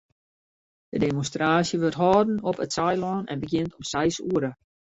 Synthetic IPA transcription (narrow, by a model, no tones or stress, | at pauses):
d̥ədemonstraːsjəʋørtɦɔːdn̩ɔpətsɛjlɔːnɛ̰nbəɡjɪntɔmsɛjsuəɾə